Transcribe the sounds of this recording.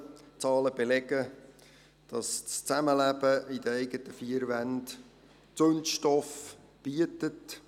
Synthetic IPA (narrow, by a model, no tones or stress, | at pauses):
t͡sɑːləb̥elɛɡə | d̥ɑst͡st͡sæməlæb̥əid̥əɛɪɡətəfiəɾʋænd | t͡sønʃtɔf | b̥iətət